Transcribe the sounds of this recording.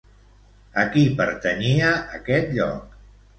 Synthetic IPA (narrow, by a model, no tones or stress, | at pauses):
əkipəɾt̪əniəʔəkɛt̪ʎɔ̰k̚